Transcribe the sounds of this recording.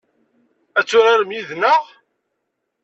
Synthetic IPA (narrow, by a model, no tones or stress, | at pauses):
æt͡sːʊɾaɾəmjiðnəʁ